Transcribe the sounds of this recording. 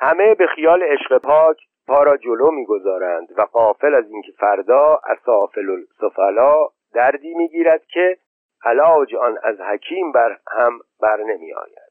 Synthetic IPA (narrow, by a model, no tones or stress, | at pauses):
hæme̞be̞xijɒːleːʃɢepʰɒːcʰ | pʰɒːɾɒːd͡ʒoloːmiːɡo̞zɒːɾænd̪væɡɒːfe̞læziːncʰe̥fæɾd̪ɒːæ̰sɒːfelolsofælɒː | d̪æɾd̪iːmiːɡiːɾæd̪̥̚cʲʰe̞ | ʔælɒːwd͡ʒɒnæ̰zhæcʰiːmbæɾhæmbæɾne̞mḭːɒ̰ːjæ̰nd̪̥